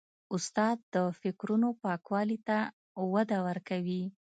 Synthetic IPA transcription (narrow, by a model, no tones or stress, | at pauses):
ʊst̪ɑd̪̚ːəfɪkɾunopɑkwɑlit̪a | wad̪awəɾkawi